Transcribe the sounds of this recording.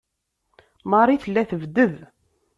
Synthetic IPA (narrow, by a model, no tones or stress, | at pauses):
mɑɾˤiθəlːæθəvd̪əð